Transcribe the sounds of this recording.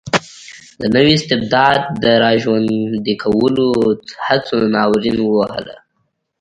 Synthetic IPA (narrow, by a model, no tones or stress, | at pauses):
d̪ənəwiɪst̪ɪb̚d̪ɑd̪̚ːəɾɑʒwand̪ikʰawəlohat͡sonɑwɾinwəwaɦə̰la̰